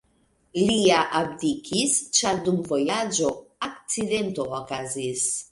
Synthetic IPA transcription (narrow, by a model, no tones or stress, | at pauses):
liaʔab̚dikʰist͡ʃaɾdumvo̞jad͡ʒo̞ak̚t͡side̞ntookazis